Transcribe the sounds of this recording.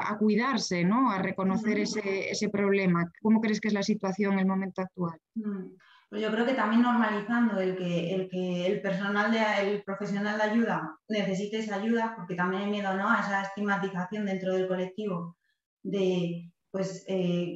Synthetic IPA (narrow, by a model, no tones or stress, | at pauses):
a̰kuið̞aɾse̞no̞are̞ko̞no̞θe̞ɾeseḛse̞pɾo̞β̞lemako̞mokɾe̞skezlasit̪waθjo̞ŋe̞lmõ̞mẽnt̪oak̚t̪ual | pwozjo̞kɾe̞oke̞t̪amjẽ̞nːo̞ɾmaliθand̪oelkeːlkeːlpe̞ɾs̬o̞nald̪eaelpɾo̞fe̞sjo̞nald̪aʝuð̞ane̞θe̞s̬it̪eesaʝuðapo̞ɾket̪amje̞najmje̞ðonoaesaest̪iɣmat̪iθaθjo̞nd̪e̞nt̪ɾo̞ð̞e̞lko̞le̞k̚t̪iβ̞o | d̪e̞ | pwe̞se